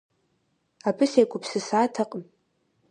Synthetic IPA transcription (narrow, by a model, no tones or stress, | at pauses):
abʰʼɨsejkʷʼʊpʰsɨsatʰaqʼm